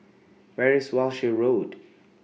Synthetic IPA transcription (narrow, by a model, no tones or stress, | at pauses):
vɛɹiswalʃiɹod